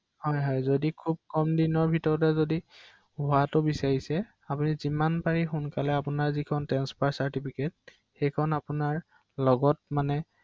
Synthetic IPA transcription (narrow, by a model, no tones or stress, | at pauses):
hɔjɦɔjzodikʰub̚kɔmdinɔɹbʱitɔɹɔtɛzodi | hʊatʊbisaɹisɛ | apunizimanpaɹixʊnkalɛapʊnaɹzikʰɔntɛnspaɹsaɹtipʰiket̚ | xejkʰɔnapunaɹ | lɔɡɔt̚manɛ